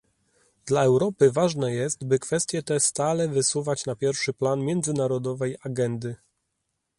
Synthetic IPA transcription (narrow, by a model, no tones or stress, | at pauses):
d̪laɛwɾɔpɘvaʐnɛjɛst̪bɘkfɛst̪ʲjɛt̪ɛst̪alɛvɘsuvat͡ɕnapʲjɛɾfʂɘplanmʲjɛnd̪zɘnaɾɔd̪ɔvɛjaɡɛnd̪ɘ